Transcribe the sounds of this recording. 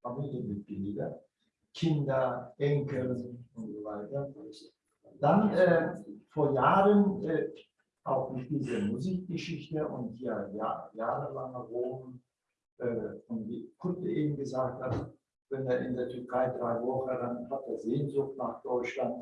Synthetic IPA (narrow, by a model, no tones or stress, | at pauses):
amɪntəmɪt̚b̥ɪldɐ | kʰɪndɐʔɛŋkl̩ʊntz̥ovaɪtɐ | d̥anʔɛːfoːɐjaːʁənɛ | ʔaʊxmɪtd̥iːzəmuziːk̚ɡ̥əʃɪçtəʔʊ̰nthijajaːʁəvaːnaʁoː | ʔɛːɔndikʰʊtəʔeːbm̩ɡəzaːk̚that | vɛneːɐʔɪndeːɐtʰʏɐkʰaɪdʁaɪvɔχədanhat̚d̥eːɐzeːnzʊχt̚naːχd̥ɔʏt͡ʃlant